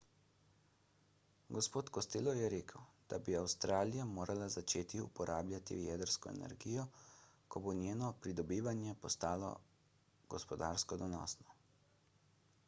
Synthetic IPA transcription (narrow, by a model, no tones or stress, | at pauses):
ɡɔspoːt̪kɔst̪eːlɔjɛɾeːkʰəwd̪̥a̰biawst̪ɾʔaːlijamoːɾʔalazat͡ʃeːt̪iṵpɔɾʔaːblʲjat̪ḭjɛd̪əɾskɔɛ̰nɛ̰ɾɡiːjɔkɔbonjeːnɔpɾid̪ɔbiːʋanjɛpɔst̪aːlɔ̰ | ɡ̥ɔspɔd̪a̰ːɾskɔd̪ɔnɔ̰ːsnɔ